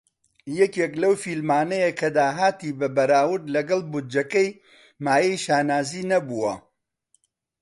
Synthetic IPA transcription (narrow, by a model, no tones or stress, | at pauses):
jɛkeklɐwfilmaːnɐjekʰɐd̪aːɦaːt̪iːbɐbɐɾaːwʊɾd̪lɐɡɐlˠbud͡ʒɐkɐj | maːjɛjʃaːnaːziːnɐbuwɐ̰